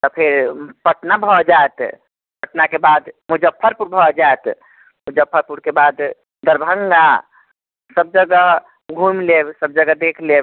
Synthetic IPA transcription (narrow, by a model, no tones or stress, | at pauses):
t̪ɔpʰeɾpəʈnabʱɔd͡ʒaet̪ | pəʈnakebad̪mud͡ʒəpʰːəɾpuɾbʱɔd͡ʒaet̪ | mʊd͡ʒəpʰːəɾpuɽkebad̪ | d̪əɾbʱəŋɡa | səb̚d͡ʒəɡəɦ | ɡʱumlebsəb̚d͡ʒəɡəd̪ekʰleb